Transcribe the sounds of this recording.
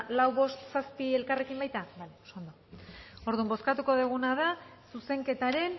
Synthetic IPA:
lawβo̞st̪saspie̞lkare̞kimbajt̪abalosond̪oo̞ɾðumbo̞skat̪uko̞ðuɣ̞unaðasuse̞ŋke̞t̪aɾe̞n

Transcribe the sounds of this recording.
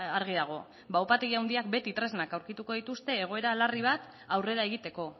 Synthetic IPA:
aɾɣ̞iðaɣ̞o̞ | bawpat̪e̞ɣiawnd̪iak̚be̞t̪it̪ɾe̞znakawɾkit̪uko̞ð̞it̪ust̪e̞ːɣ̞o̞e̞ɾalariβ̞at̪ | awre̞ɾae̞ɣit̪e̞ko̞

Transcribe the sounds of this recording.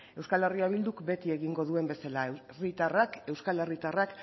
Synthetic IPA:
e̞wskale̞riaβ̞ild̪ukbe̞t̪ie̞ɣiŋɡo̞ðue̞mbe̞sala | rit̪arake̞wskale̞rit̪arak

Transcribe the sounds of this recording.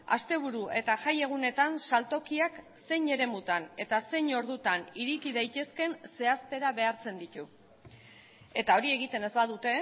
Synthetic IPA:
a̰st̪e̞β̞uɾuʔe̞t̪aʝaje̞ɣ̞une̞t̪ansalt̪o̞kiak | se̞jɲe̞ɾe̞mut̪ane̞t̪ase̞ɲo̞ɾðut̪aniɾikiðajt̪e̞ske̞nse̞ast̪e̞ɾaβe̞aɾt͡se̞nd̪it̪u | e̞t̪ao̞ɾie̞ɣ̞it̪e̞ne̞zbaðut̪e̞

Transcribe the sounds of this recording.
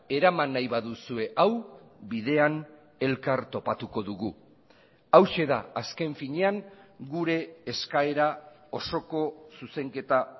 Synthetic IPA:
e̞ɾamanːajβaðusue̞ʔaw | biðe̞an | e̞lkaɾt̪o̞pat̪uko̞ðuɣu | awʃe̞ðaaske̞ɱfiɲe̞aŋɡuɾe̞ːskae̞ɾa | o̞so̞ko̞suse̞ŋke̞t̪a

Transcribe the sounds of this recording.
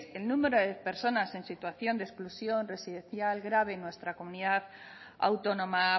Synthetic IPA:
selnume̞ɾoðepe̞ɾso̞nase̞nsit̪waθjo̞nd̪esklusjo̞nre̞siðẽ̞nθjalɡɾaβ̞e̞nwe̞st̪ɾako̞muniðað | a̰wt̪o̞nõ̞ma

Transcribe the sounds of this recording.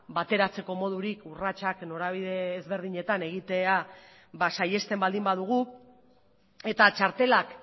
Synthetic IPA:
bat̪e̞ɾat͡se̞ko̞mo̞ð̞uɾikurat͡ʃakno̞ɾaβiðe̞ːzβe̞ɾð̞iɲe̞t̪ane̞ɣ̞it̪e̞a | βasaje̞st̪e̞mbald̪imbað̞uɣ̞u | e̞t̪at͡ʃaɾt̪e̞lak

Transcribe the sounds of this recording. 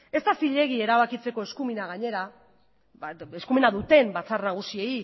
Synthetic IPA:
e̞st̪asiʎe̞ɣie̞ɾaβakit͡se̞ko̞e̞skuminaɣ̞aɲe̞ɾa | eskuminaðut̪e̞mbat͡sarnaɣ̞usie̞i

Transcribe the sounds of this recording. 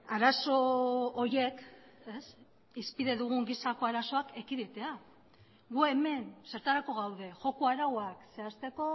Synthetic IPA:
aɾaso̞ːɾje̞kes | ispiðe̞ðuɣ̞uŋɡisako̞aɾaso̞ake̞kiðet̪e̞a | ɣue̞me̞nse̞ɾt̪aɾako̞ɣawðe̞ʝo̞kuaɾawakse̞ast̪e̞ko̞

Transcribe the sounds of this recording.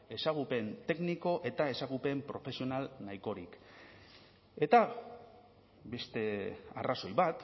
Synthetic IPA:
e̞saɣ̞upe̞nt̪e̞ɡniko̞ʔe̞t̪ae̞saɣupe̞mpɾo̞fe̞sio̞nalnaiko̞ɾik | e̞t̪a | be̞st̪e̞a̰raso̞jβat̪

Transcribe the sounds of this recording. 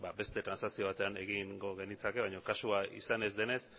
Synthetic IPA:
babe̞st̪e̞t̪ɾansasio̞β̞at̪e̞ane̞ɣiŋɡo̞ɣe̞nit͡sake̞βajɲo̞kasuaḭsane̞zd̪e̞ne̞s

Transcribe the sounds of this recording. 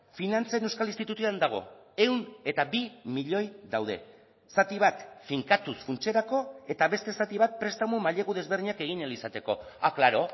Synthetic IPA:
finant͡saenewskalinst̪it̪ut̪uand̪aɣ̞o̞̰e̞wne̞t̪abimiʎo̞jðawð̞e̞̰ | sat̪iβ̞at̪fiŋkat̪usfunt͡ʃe̞ɾako̞e̞t̪aβe̞st̪e̞sat̪iβ̞at̪̚pɾe̞st̪amumaʎe̞ɣuð̞e̞zβrɾðiɲake̞ɣ̞inelisat̪e̞ko̞̰aklaɾo̞

